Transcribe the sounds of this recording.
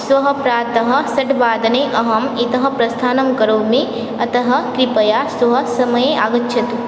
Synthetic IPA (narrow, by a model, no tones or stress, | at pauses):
swɐɦɐpɾaːt̪ɐɦɐsɐʈbaːd̪ɐneʔɐɦɐmit̪ɐɦɐpɾɐst̪ʰaːnɐmkɐɾoːmẽ | ɐt̪ɐɦɐ̆kɾɪpɐjaːswɐɦɐsɐmɐjea̰ːɡɐtːʃʰɐt̪